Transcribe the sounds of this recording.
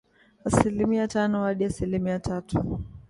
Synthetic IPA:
asilimiatanɔwaɗiasilimiatʰatu

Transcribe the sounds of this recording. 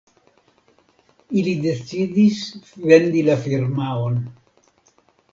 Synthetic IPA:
ilid̪et͡sidisve̞nd̪ilafiɾmaon

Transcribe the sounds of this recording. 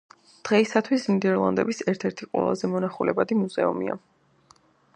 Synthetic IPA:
d̪̥ʁɛisat̪ʰwisnid̪ɛɾlˠa̰nd̪ɛbisɛɾt̪ʰɛɾt̪ʰiqʼwɛ̰lˠa̰zɛmɔnaχulɛbad̪imuzɛumḭa̰

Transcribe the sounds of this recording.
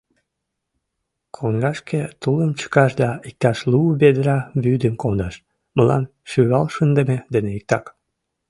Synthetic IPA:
kʰonɡɑʃket̪uləmt͡ɕə̥kɑʃd̪ɑik̚t̪ɑʃlubed̪əɾɑβyd̪əmkond̪ɑʃ | məlɑ̰n | ʃyβɑlʃənd̪əmed̪eneik̚t̪ɑk

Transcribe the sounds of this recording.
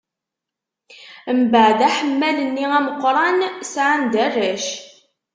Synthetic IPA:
əmbəʕd̪æħəmːælənːiæməqːɾˤɑnsʕand̪ærːæʃ

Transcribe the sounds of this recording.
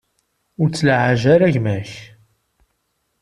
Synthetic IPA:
ʊɾt͡sːlʕaʒæɾæʝmæç

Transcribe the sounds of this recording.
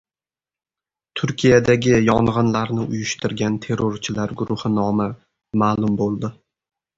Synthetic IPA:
t̪ʰʊɾkʲʰijad̪aɡʲɪjɒɴʁɨnlaɾnɪʔʊjʊʃt̪ʰɪɾɡʲant̪ʰe̞ɾoɾt͡ʃʰɪlaɾɡʊɾʊhɪnɒmɪ | maːlˠʊmbolˠd̪ɪ

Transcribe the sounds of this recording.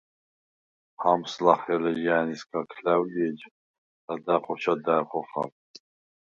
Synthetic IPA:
hamslaχɛlɛʒaːniskʰakʰlɛwɡiɛd͡ʒ | d̪ad̪aqʰʼɔt͡ʃʰad̪aqʼɔχa̰ɾ

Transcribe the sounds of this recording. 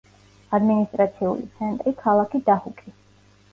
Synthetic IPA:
ad̪minist̪ʼɾat̪sʰiṵlḭt̪sʰɛnt̪ʼɾikʰalˠakʰid̪ahukʼi

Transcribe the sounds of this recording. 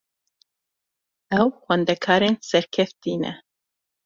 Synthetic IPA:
ɛwxʷɛnd̪ɛkʰɑːɾeːnsɛɾkʰɛft̪iːnɛ̰

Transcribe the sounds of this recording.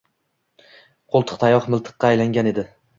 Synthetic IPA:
qʰolˠt̪ʰɨ̥qt̪ʰajɒχmɪlˠt̪ʰɨ̥qːɑːjlaŋɡʲane̞d̪ɪ

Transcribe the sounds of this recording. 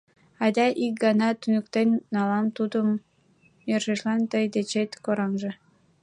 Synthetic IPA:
ɑd̪ʲɑʔik̚ɡɑnɑt̪ynəkt̪enːɑlɑmt̪ud̪əm | jørʃeʃlɑnt̪əjd̪et͡ɕet̪koɾɑnʒĕ

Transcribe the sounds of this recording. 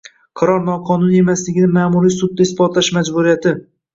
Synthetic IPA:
qʰɑɾɒɾnɒqʰɒnʊne̞maslɪɡʲɪnɪmaːmuɾijsʊd̪̚ːaɪsbɒt̪laʃmad͡ʒbuɾijat̪ʰɪ

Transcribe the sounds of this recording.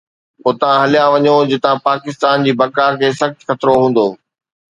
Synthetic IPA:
ʊt̪ãɦɐlijaʋɐɲod͡ʑɪt̪ãpaːkɪst̪aːnd͡ʑiːbɐkaːɾkʰeːsɐxt̪xɐt̪ɾoɦũːn̆d̪oː

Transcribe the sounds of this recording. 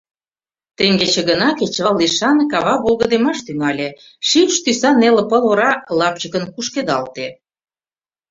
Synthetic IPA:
t̪eŋɡet͡ɕĕɡə̆nɑket͡ɕɑliʃɑnkɑβɑβolˠɣə̆d̪emɑʃt̪yŋɑlʲe | ʃimʃt̪ysɑnelə̆pə̆loɾɑlɑp̚t͡ɕəkə̆nkuʃked̪ɑlt̪e

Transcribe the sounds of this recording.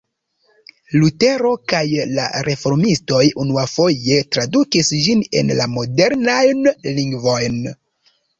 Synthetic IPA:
lute̞ɾo̞kajla̰ɾe̞fo̞ɾmisto̞junuafo̞je̞tɾadukisd͡ʒine̞̰nlamo̞de̞ɾnajnliŋɡvo̞jn

